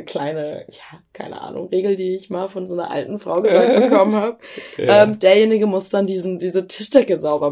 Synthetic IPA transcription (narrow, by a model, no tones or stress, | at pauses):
kʰl̥aɪnəjaːkʰaɪnə̰ʔa̰ːnʊ̰ŋʁeːɡl̩diːɪçmaːlfɔnzoːnɐ̰ʔa̰ltn̩fʁ̥a̰ʊɡəzaːk̚ttbəəkʰɔmənhaːbəʔɛːmd̥eːɐjeːnɪɡəmʊsd̥andiːzn̩diːzətʰɪʃtɛkəzaʊbɐ